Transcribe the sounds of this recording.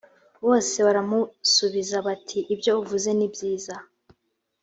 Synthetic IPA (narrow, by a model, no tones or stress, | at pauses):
βo̞ːse̞βaɾamusuβizaβatʰiʔːbjo̞uvuze̞nibjiːza